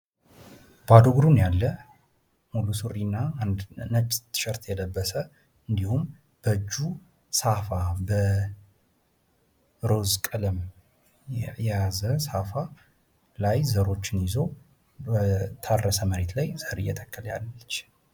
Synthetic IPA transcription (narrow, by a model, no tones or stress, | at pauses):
b̥ad̪oɡɾunjalːə | mulusurːinːand̪nət͡ʃʼːt̪ʰɨ̥ʃəɾt̪jɛləbːəsə | ɨnd̪ihum | b̥əd͡ʒːu | safabə | ɾo̞zkʼələm | jɛjazəsafa | lajzəɾo̞t͡ʃːɪnjɪzo | bət̪ʰarːəsəməɾet̪lajz̥əɾḭjːɛt̪ʰəkːəlja̰lːət͡ʃː